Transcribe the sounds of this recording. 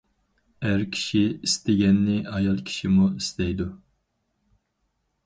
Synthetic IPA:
æɾkʲʰi̥ʃiist̪ɪɡʲɛnːɪɑjɑlˠkʲʰi̥ʃimuist̪ʰɛjd̪u

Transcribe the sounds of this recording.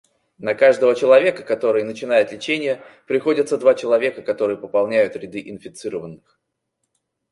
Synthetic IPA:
nɐkaʐd̪əvət͡ɕɪlˠɐvʲekəkɐt̪o̞ɾɨjnət͡ɕɪnajɪt̪lʲɪt͡ɕenʲɪjəpɾʲɪxo̞dʲɪt̪səd̪vat͡ɕɪlˠɐvʲe̞kəkɐt̪o̞ɾɨjəpəpɐlˠnʲæjʊt̪ɾʲɪd̪ɨʔɪnfʲɪt̪sɨɾəvənːɨx

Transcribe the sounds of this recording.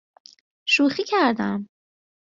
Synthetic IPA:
ʃuːxiːcʰæɾd̪æm

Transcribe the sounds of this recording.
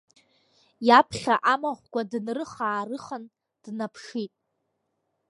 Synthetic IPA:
japʰχʲaʔamaχʷɡʷadnrɨχaːrɨχan | d̥napʰʂitʼ

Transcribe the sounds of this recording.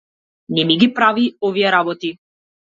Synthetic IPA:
nɛmiɡʲipɾaviɔvijɛɾabɔt̪i

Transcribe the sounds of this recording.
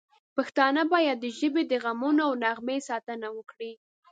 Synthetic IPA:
paxt̪ɑnəbɑjad̪̚ːəʒəbed̪əɣamunoawnaɣmesɑt̪ənawəkɽi

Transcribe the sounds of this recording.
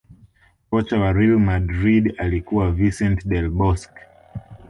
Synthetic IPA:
kɔt͡ʃawaɾilmadɾidalikuwavisɛntɗɛlɓɔsk

